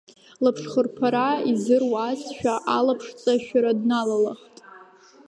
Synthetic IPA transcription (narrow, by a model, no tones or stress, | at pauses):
lapʰʂχərpʰaɾaizɨrwazʃᶣaʔalapʰʂt͡sʼaʃᶣaɾadnalalaχtʼ